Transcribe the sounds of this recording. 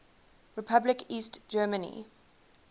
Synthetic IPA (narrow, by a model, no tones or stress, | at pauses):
ɹɪpʰablɪkʰiːstd͡ʒɜːmənḭ